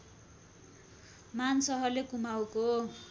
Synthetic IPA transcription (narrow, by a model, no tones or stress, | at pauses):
mansʌɦʌrlekumawko